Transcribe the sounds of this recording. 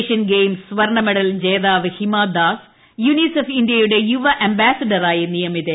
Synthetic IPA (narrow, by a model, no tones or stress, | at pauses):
ʂɐnɡejmssʋɐrɳɐmeɽɐld͡ʑeːðaːʋɨhimaːd̪aːs | junisofind̪ijɐjuɽe̞juʋɐʔɐmbaːsɐɖɐɾaːjɐnijɐmiðe